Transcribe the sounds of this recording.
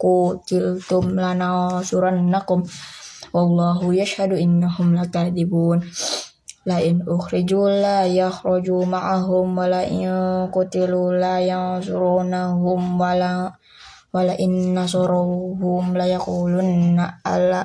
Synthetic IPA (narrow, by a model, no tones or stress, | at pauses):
kut̪ɪlt̪ʊmlanasuɾanːakʊmwɑlˤːɑɦujaʃhaduʔɪnːaɦʊmlakaðibuːn | laʔɪnʊxɾid͡ʒulajaxɾɔd͡ʒumaʕaɦʊmwalaʔkut̪ilulajasuɾunaɦʊmwala | walaʔɪnːasɔɾaɦʊmlajakuːlunːaa̰la